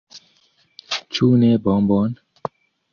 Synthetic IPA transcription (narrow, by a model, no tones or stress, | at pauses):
t͡ʃʰuːneːbɔːmbɔːn